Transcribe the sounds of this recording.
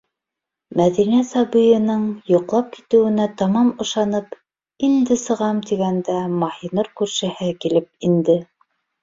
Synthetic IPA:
mæðinæsɑbɤjɤ̆nɤɴjŏqlˠɑp̚ki̥t̪ɘ̆wɘ̆næt̪ɑmɑmɤ̆ʃɑnɤp | ind̪ɘsɤ̆ʁɑmt̪iɡænd̪æmɑhinɤɾkʉɾʃɘ̆hɘkilɘp̚ind̪ɘ

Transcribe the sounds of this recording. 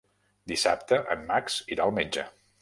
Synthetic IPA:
d̪isap̚t̪əʔəmːaksiɾaəlˠmed͡ʒə̰

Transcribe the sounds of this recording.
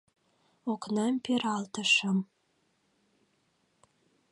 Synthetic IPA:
oknɑmpeɾɑlt̪əʃə̆m

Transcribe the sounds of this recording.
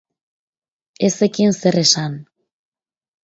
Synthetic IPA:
esekinseresan

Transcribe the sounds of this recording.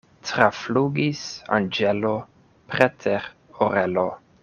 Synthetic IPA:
tɾafluɡisa̰nd͡ʒelo | pɾetʰeɾ | oɾelo

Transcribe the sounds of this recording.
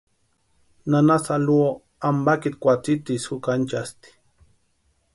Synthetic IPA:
nanasaluo | ambakit̪̚kʷat͡sit̪isxukant͡ʃast̪i̥

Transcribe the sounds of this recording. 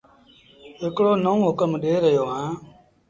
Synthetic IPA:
ɦɪkɽoːnəũːɦʊkəmɗeːɾəjoːɦãː

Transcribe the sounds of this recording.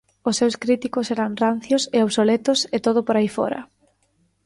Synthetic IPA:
ʊsːewskɾit̪ikʊsɛɾɐŋran̟θjʊseoβsolet̪ʊset̪oðʊpoɾaifɔ̰ɾɐ̰

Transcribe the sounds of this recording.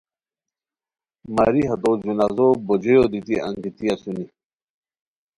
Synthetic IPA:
maɾiɦɐt̪od͡ʑunazobod͡ʑojod̪it̪iʔɐ̰̃ŋɡit̪iasuni

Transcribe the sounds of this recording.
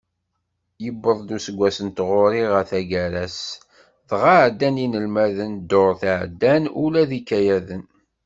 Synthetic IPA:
jəbːəðˤd̪usəɡʷːæsənt̪ʁoɾiʁəθæɡæɾæs | θʁaʕd̪ːæninəlmæðənd̪oɾˤθaʕd̪ːænulæðikːæjæðən

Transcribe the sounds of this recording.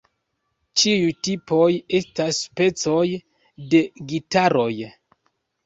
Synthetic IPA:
t͡ʃiutipo̞je̞staspe̞t͡so̞j | de̞ɡitaɾo̞j

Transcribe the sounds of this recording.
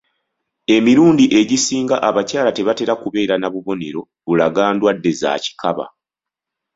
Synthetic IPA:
e̞miɾuːndiʔe̞ɟisiːŋɡaʔaβacaːlate̞βate̞ɾakuβe̞ːɾanaβuβo̞ne̞ɾo̞ | βulaɡaːndwadːe̞za̰ːci̥kaβa̰

